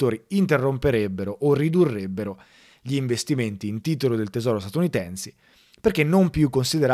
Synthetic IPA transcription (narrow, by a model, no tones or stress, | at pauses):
oːɾiint̪erːompeɾebːeɾoʔorid̪urːebːeɾo | ʎiːɱvest̪iment̪iːnt̪iːt̪olod̪elt̪ezɔːɾost̪at̪unit̪ɛnse̥ | perkenːompjukːonsid̪eɾa